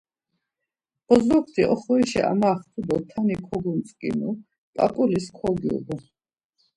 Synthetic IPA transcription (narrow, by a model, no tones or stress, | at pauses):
b̥ɔzɔkʰt̪ʰiʔɔχɔiʃɛ̰ʔa̰maːχt̪ʰud̪ɔt̪ʰanikʰɔɡunt̪sʼkʼḭnu | pʼa̰kʼuliskʰɔɡiṵd̪ɔ